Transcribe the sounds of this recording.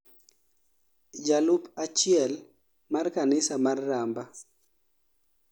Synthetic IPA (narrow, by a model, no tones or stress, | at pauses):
d͡ʒalupat͡ʃɪɛl | markanɪsamarːamba